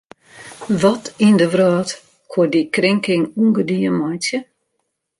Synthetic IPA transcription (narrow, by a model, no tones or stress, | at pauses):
ʋɔtindəʋrɔːt | kʰwodikrɪŋkɪŋuŋɡədiənmɔjtjə